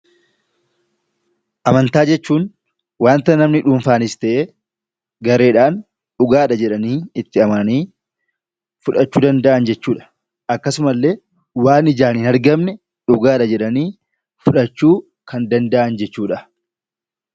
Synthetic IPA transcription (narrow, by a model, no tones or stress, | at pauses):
ʔɐmɐnt̪aːd͡ʒɛt͡ʃːuːn | waːnt̪ɐnɐmnɪᶑuːnfaːnɪst̪ɛʔeː | ɡɐɾe̞ːᶑaːn | ᶑʊɡaːᶑɐd͡ʒɛᶑɐniːɪt̪ːɪɐmɐɐniː | fʊᶑɐt͡ʃːuːd̪ɐnd̪ɐʔɐnd͡ʒɛt͡ʃːuːᶑɐ̥ | ɐkːɐsʊmɐlːe̞ː | waːnɪd͡ʒaːninɐɾɡɐmnɛ | ᶑʊɡaːᶑɐd͡ʒɛᶑɐniː | fʊᶑɐt͡ʃːuː | kɐnd̪ɐnd̪ɐʔɐnd͡ʒɛt͡ʃːuːᶑɐ